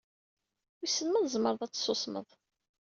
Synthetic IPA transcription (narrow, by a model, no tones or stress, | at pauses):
wisːəlməðzˤməɾˤðˤɑt͡sːsːosmə̰ðˤ